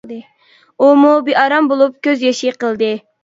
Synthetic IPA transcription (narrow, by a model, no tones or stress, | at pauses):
ɨ | umubiʔɑɾɑmbolˠup̚kʲøzjeʃiqəlˠd̪ɨ